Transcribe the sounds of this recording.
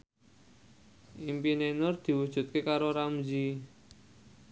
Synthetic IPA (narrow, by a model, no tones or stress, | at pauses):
ʔimpinenʊrd̪̥i̤wud̥ʒ̥ṳt̪̚kekaɾoɾamd͡ʒi